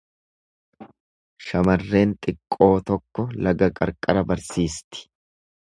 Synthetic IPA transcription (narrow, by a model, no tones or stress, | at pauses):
ʃɐmɐrːe̞ːnt̪ʼɪkʼːo̞ːt̪ɔkːɔlɐɡɐkʼɐ̰ɾkʼɐɾɐbɐɾsiːst̪ɪ̥